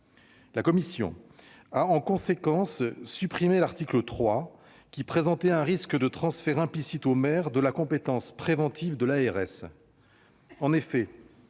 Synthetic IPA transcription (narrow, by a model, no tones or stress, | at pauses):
lakɔmisjɔ̰̃ | aɑ̃kɔ̃sekɑ̃sːypχimelaʁt̪iklət̪χwa | kʲipχezɑ̃t̪eɛ̃ʁiskəd̪ət̪χɑ̃sfɛʁɛ̃plisit̪omɛʁd̪əlakɔ̃pet̪ɑ̃spχevɑ̃t̪ʰivd̪əlaɛʁɛs | ɑ̃nefɛ